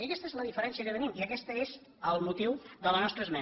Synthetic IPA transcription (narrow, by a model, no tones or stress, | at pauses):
iəkɛst̪əezləðifəɾɛnsjəkət̪ənimiəkɛst̪əez | əlˠmut̪iwðələnɔst̪ɾəzmɛ